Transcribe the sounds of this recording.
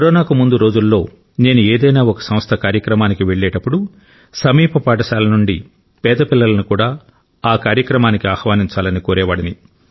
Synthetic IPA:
kɐɾɔːnaːkumund̪uɾo̞ːd͡ʒulːo̞ː | neːnueːd̪ɐjnaːɔkɐ̥sɐm̃st̪ʰɐkaːɾjɐkɾɐmaːnikiʋeɭːɛːʈɐpːuɽu | sɐmiːpɐpaːʈ̬ɐʃaːlɐnuɳɖi | pɛːd̪ɐpilːɐlɐnukuːɽaː | aːkaːɾjɐkɾɐmaːnikiaːxʋaːniɲt͡ʃaːlɐnikoːɾɛːʋaːɽɐni

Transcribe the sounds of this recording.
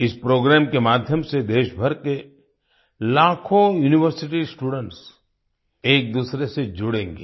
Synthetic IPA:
ɪspɾoːɡɾɛːmkemaːd̪ʱjəmsed̪eːʃbʱɐɾke | laːkʰojuːnɪʋəɾsɪʈisʈuːɖə̃ɳʈs | eːk̚d̪uːsɾesed͡ʒʊɽẽːŋɡḛː

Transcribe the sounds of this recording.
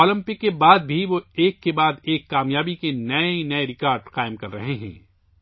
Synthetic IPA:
ɔːlɪ̃mpɪkːebaːd̪̚bʱiʋoeːkːebaːd̪eːkːaːmjaːbikenɐenɐeɾɪkaːɾɖqaːɪmkɐɾːɐ̰ɦeɦɛ̰̃ː

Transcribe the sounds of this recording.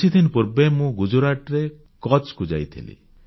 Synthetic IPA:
id̪inɔpuɾbemũɡud͡ʒuɾaʈɾe | kɔt͡ʃkud͡ʒa̰jt̪ʰḭlḭ

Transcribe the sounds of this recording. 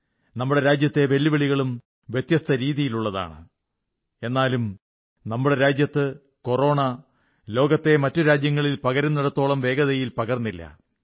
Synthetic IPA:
nɐmːuɽe̞ɾaːd͡ʑjɐt̪ːe̞ʋe̞lːiʋɐɭiɣɐɭum | ʋjet̪jɐst̪ʰɐɾiːðijiluɭːɐða̰ːɳɨ̰ | e̞nːaːlum | nɐmːuɽe̞ɾaːd͡ʑjɐt̪ːɨ | ko̞ro̞ːɳɐ | lo̞ːɡɐt̪ːe̞mɐtːuɾaːd͡ʑjɐŋːɐɭilpɐɣɐɾɐnɐɽɐt̪ːo̞ːɭɐmʋe̞ːɡɐðɐjilpɐɣɐrnːilːɐ̰

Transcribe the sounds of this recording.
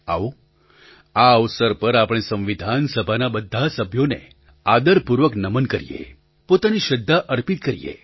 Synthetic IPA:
a̰ʋo | aəʋsəɾpəɾapɽ̃esə̃ʋʋid̪ʱansəbʱanabəd̪ʱːasəbʱjonḛ | ad̪əɾpuɾʋəknəmənkəɾijḛ | pot̪aniʃəd̪ʱːaʔəɾpit̪̚kəɾḭjḛ

